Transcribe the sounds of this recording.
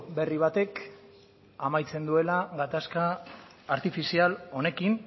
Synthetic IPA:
be̞riβ̞at̪e̞k | amajt͡se̞nd̪ue̞laɣat̪askaː | ɾt̪ifisialo̞ne̞kin

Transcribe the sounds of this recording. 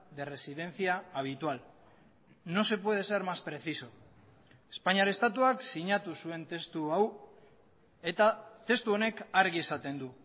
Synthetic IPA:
d̪e̞re̞siðe̞nθiaːβ̞it̪ual | no̞se̞pwe̞ð̞e̞se̞ɾmaspɾe̞θiso̞ | espaɲiaɾest̪at̪uaksiɲat̪usue̞nt̪e̞st̪uaw | e̞t̪at̪e̞st̪uo̞ne̞kaɾɣiesat̪e̞nd̪u

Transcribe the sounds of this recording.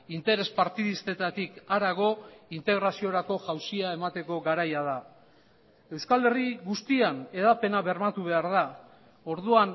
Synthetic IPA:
int̪e̞ɾe̞spaɾt̪iðist̪e̞t̪at̪ikaɾaɣ̞o̞int̪e̞ɣɾasio̞ɾako̞ʝawsiae̞mat̪e̞ko̞ɣaɾajaða | e̞wskale̞riɣust̪iane̞ðape̞naβe̞ɾmat̪uβ̞e̞aɾð̞a | o̞ɾðuan

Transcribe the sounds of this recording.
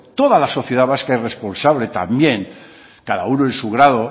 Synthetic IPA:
t̪o̞ðalaso̞θje̞ðaβaskaere̞spo̞nsaβle̞t̪a̰mbje̞ŋ | kaða̰unoensuɣ̞ɾaðo̞

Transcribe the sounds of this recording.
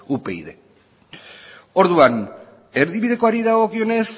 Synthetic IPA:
upe̞iðe̞̰ | o̞ɾðuan | e̞ɾðiβiðe̞ko̞aɾiðaɣ̞o̞kio̞ne̞s

